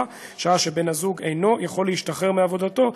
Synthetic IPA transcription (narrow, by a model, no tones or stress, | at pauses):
ʃaaʃe̞be̞nhazuɡejno̞jaχo̞lːeiʃtaχe̞ʁmeavo̞d̪at̪o̞